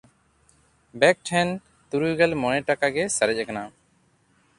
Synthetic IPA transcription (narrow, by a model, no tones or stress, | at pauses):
bɛk̚ʈʰɛn | t̪uɾujɡɛlmɔñɛʈakaɡɛsəɾɛc̚ˀakana